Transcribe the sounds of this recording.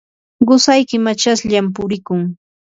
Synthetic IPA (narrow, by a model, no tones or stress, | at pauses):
ɢʊsajkɪmat͡ʃasʎamp̬ʊɾɪkʊŋ